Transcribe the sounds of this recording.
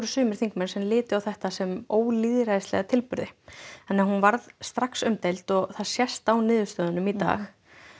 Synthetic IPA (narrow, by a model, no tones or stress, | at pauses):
ɾʏ̥sʏːmɪɾ̥θiŋkmɛnsɛmlɪːt̪ʏawθɛht̪asɛmoːwliðɾajst̪lɛ̰ɣat̪ʰɪlpʏɾðɪɛnːɛhɦunvaɾðst̪ɾaksʏmt̪ejlt̪ɔɣθaðsjɛst̪awnɪːðʏst̪œːðanʏmit̪a̰ːx